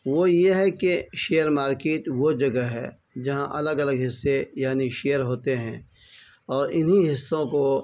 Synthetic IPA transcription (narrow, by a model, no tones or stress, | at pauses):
ʋojeɦɛkeʃeːəɾmaːɾkeːʈʋod͡ʒɐɡəɦɛ̰ː | d͡ʒɐɦãʔɐləɡɐləɡɦɪsːejaːniʃejəɾɦoːt̪eɦɛ̃ː | ɔːɾɪnɦiɦɪsːõko